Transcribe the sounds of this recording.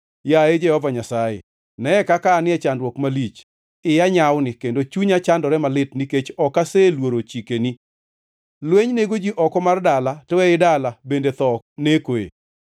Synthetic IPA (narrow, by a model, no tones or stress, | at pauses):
jaed͡ʒɛhɔvaɲasajḛ | nɛɛkakaːnɪɛt͡ʃandwɔkmalit͡ʃ | ɪjaɲawnɪkendot͡ʃuɲat͡ʃandɔɾɛmalɪtniket͡ʃɔkaselwoɾot͡ʃikeni | lweɲneɡod͡ʒiʔɔkɔmardalatɔwɛɪdalabendet̪ɔk̚nekoḛ